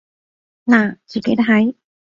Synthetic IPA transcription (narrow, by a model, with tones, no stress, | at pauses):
naː˨˩t͡siː˨˩ke˨˥t̪a˥ɦɐ˨˧˥j